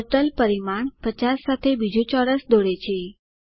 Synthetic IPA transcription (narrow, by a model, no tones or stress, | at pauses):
əɾʈəlpəɾimaɳpət͡ɕasːat̪ʰebid͡ʑʱũt͡ɕɔɾəsd̪oɽet͡ɕʰe